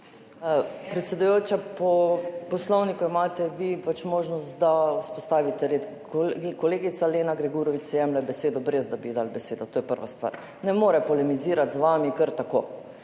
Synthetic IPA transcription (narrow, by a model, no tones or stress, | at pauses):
pɾɛt̪sʲɛd̪ujoːt͡ʃapɔpɔslɔwnikuimaːt̪ɛʋipat͡ʃmoːʒnɔst̪d̪auspɔst̪aːʋit̪ɛɾet̪ | kɔleːɡit̪saleːnaɡɾɛɡuɾɔʋit͡ʃsɛjɛmlɛbɛseːd̪ɔbɾezd̪abiːd̪albɛseːd̪ɔt̪oːjɛpəɾʋa̰st̪ʋa̰ːɾ | nɛmoːɾɛpɔlɛmiziːɾat̪zʋaːmikəɾt̪ako̰ː